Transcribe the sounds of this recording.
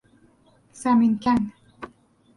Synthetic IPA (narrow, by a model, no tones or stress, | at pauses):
saminkan